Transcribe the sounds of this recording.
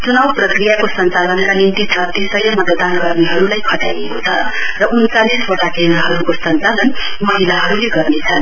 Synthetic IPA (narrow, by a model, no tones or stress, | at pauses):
t͡sunawprʌkrijakosʌnt͡salʌnkanimt̪it͡sʰʌt̪isʌjʌmʌt̪d̪anɡʌrneɦʌɾulajkʰʌʈa̰jekot͡sʰʌ | rʌʔunt͡salisbʌʈakenaɦʌɾukosʌnt͡salʌn | mʌɦilaɦʌɾuleɡʌrnet͡sʰʌn